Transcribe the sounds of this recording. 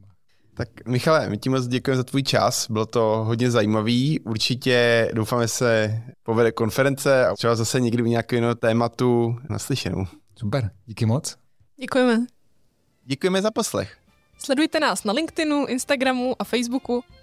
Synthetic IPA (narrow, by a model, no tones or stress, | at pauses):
t̪ak̚mɪxalɛmɪcɪmot͡sɟɛkujɛmɛzat̪vuːjt͡ʃa̰sbɪlot̪o̞ɦodɲɛzajiːmaviːʔuɾt͡ʃɪcɛdowfaːmɛsɛpo̞vɛdɛko̞nfɛɾɛnt͡sɛa̰rɛbazasɛɲɛɡdɪuɲakɛwjɛnot̪ɛːmat̪una̰slɪʃɛno̰wsupɛɾɟikɪmot͡s | ɟɛkujɛmɛ | ɟɛkujɛmɛzapo̞slɛ̰x | slɛdujt̪ɛnaːsnalɪŋkt̪ɪnuʔɪnst̪aɡɾamuʔafɛjzbuku